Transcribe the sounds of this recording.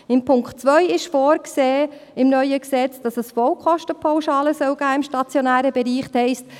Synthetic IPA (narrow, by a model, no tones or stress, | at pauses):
ɪmpʰʊŋkχtt͡sʋœjɪʃfɔːɾkseː | ɪmnœʏəksɛt͡sd̥ɑsəsfɔwkʰχɔʃtəpʰawʃɑːləsœwɡ̥æːɪmʃtɑt͡sjɔnæːɾəbɛɾiːχtʰhɛɪst